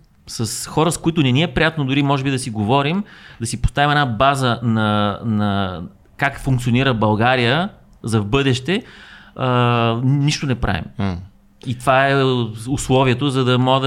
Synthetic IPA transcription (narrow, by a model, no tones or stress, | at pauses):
sɐsxɔɾəskoit̪ʊnɛniɛpɾijat̪nod̪ʊɾimɔʒɛbid̪ɐsiɡovɔɾimd̪ɐsipo̥st̪avimɛnabazənɐnɐ | kakfuŋkt̪sioniɾəbɐlˠɡaɾijə | zɐvbɤd̪ɛʃt̪ɛə | niʃt̪onɛpɾʔa̰vḭm | it̪vaɛʊslˠɔviɛt̪ozɐd̪ɐmɔɡəd̪